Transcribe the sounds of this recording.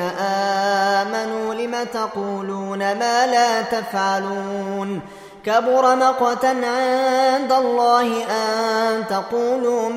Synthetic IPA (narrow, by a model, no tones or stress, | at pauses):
aʔaːmanuːlɪmat̪ɑquːluːnamaːlaːt̪afʕaluːn | kabʊɾˤɑmɑqwɑt̪anʕɪnd̪alˤːɑːhɪʔat̪ɑquːluː